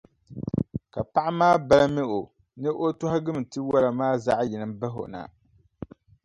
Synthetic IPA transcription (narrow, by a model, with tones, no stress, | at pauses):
ka˨pa˦ʔa˦maː˦ba˦la˦mɛ˦ʔo˨ | nɨ˦ʔo˦tʊ˦ha˦ɡɨ˦m˨tɨ˦wa˦la˨maː˦za˦ʔji˨nɨ˨m˦ba˦ɦo̰˨na̰˨